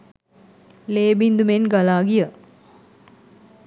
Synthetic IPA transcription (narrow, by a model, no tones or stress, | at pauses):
leːbind̪umenɡalaːɡijə